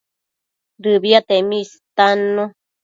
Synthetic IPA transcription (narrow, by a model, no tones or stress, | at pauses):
ɾɨβiat̪emĩst̪anũ